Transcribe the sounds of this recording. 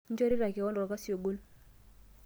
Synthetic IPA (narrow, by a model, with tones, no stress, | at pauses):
n̩˦d͡ʒɔ˦ɾi˦ɾa˨kɛ˨ɔ˦ndɔ˨ɔ˨ka˦si˨o˨ɡo˦l